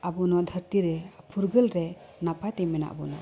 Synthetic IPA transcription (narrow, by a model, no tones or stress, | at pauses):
abɔnad̪ʱəɾtiɾepʰuɾɡɯlɾe | napʰatemena̰ʔa̰bɔna